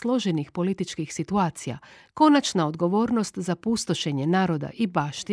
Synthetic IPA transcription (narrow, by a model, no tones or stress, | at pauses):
slˠo̞ʒenixpo̞lit̪it͡ʃkixsit̪uaːt̪sija̰ | ko̞nat͡ʃnao̞d̪ɡo̞ʋo̞ːɾno̞st̪zapust̪o̞ʃe̞ɲe̞naːɾo̞d̪a̰ʔibaːʃt̪i